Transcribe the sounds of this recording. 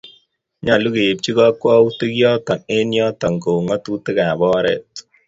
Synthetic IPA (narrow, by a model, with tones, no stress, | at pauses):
ɲa˨lu˦ke˨p̚t͡ʃi˦kɔ˦kwa˦u˦tɪ˦kjɔ˦ta˨ne˦njɔ˦ta˨ŋko˨ŋa˦tu˦tɪ˦ka˨bɔ˦ɾɛ̰˦t̚